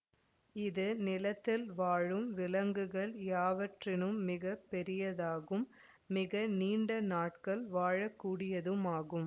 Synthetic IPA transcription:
ɪðɯnɪlɐt̪ːɪlʋaːɻɯmʋɪlɐŋɡɯɣɐɭjaːʋɐʈrɪnɯmːɪɣɐpːɛɾɪjɐðaːɣɯmː | ɪɣɐniːɳɖɐnaːʈkɐɭʋaːɻɐkːuːɽɪjɐðɯmaːɣɯm

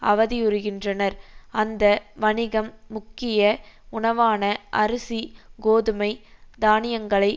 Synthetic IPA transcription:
ɐʋɐðɪʊɾɯɣɪndrɐnɐɾɐnd̪ɐʋɐɳɪɣɐmːʊkːɪjɐ | ʊɳɐʋaːnɐʔɐɾɯsiɡoːðɯmɐɪd̪aːnɪjɐŋɡɐɭɐɪ

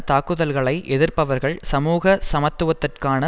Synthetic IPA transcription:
t̪aːkːɯðɐlɣɐɭɐɪʔɛðɪrpɐʋɐɾɣɐɭsɐmuːɣɐsɐmɐt̪ːɯʋɐt̪ːɪrkaːnɐ

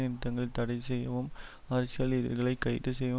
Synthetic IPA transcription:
ɪnt̪ːɐŋɡɐɭɪt̪ɐɽɐɪsɛjːɐʋɯm | ɐɾɐsɪjɐliːðɪ̰ɾɣɐɭɐɪkːɐɪɾɯsɛjːɐʋ

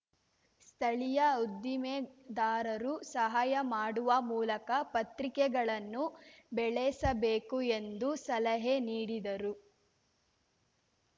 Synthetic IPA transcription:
st̪ʰɐɭijɐud̪ːimed̪aːɾɐɾusɐɦaːjɐmaːɽuʋɐmuːlɐkɐpɐt̪ɾikɛɡɐɭɐnːubɛɭɛsɐbeːkue̞nd̪usɐlɐɦeniːɽid̪ɐɾu

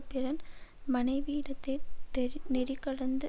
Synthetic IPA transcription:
pɪɾɐnmɐnɐɪʋiːɽɐt̪ːɐɪnɛɾɪkːɐɽɐnd̪ɯ

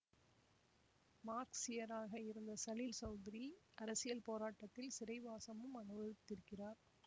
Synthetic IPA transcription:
maːɾksɪjɐɾaːɣɐɪɾɯnd̪ɐsɐlɪlsɐʊd̪ɪɾiʔɐɾɐsɪjɐlpoːɾaːʈːɐt̪ːɪlsɪɾɐɪʋaːsɐmɯmɐnɯʋɐɾɯt̪ːɪɾɯkːɪraːɾ

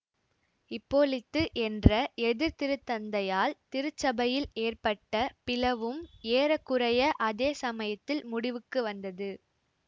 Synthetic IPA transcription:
ɪpːoːlɪt̪ːɯʔɛndrɐɛðɪɾt̪ɪɾɯt̪ːɐnd̪ɐjaːlt̪ɪɾɯt͡ʃːɐbɐjɪleːrpɐʈːɐpɪlɐʋɯmeːɾɐkːɯrɐjɐʔɐðeːsɐmɐjɐt̪ːɪlmʊɽɪʋɯkːɯʋɐnd̪ɐðɯ

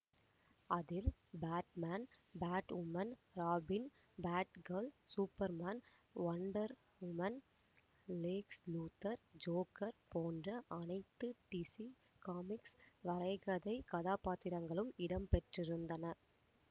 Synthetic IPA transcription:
ɐðɪlbaːʈ̚maːn | baːʈʋʊmɐnɾaːbɪn | baːʈɡɐɾɭsuːpːɐɾmaːn | ʋɐɳɖɐɾ | ʋʊmɐn | leːksluːt̪ːɐɾd͡ʒoːkːɐɾpoːndrɐʔɐnɐɪt̪ːɯʈisi | kaːmɪksʋɐɾɐɪɣɐðɐɪkɐðaːpaːt̪ːɪɾɐŋɡɐɭɯmɪɽɐmpɛʈrɪɾɯnd̪ɐnɐ

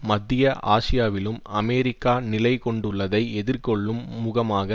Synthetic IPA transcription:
mɐd̪ːɪjɐʔʔaːsɪjaːʋɪlɯmɐmɛːɾɪkːaːnɪlɐɪkɔɳɖɯɭːɐðɐɪɛðɪɾkɔɭːɯmːʊɣɐmaːɣɐ

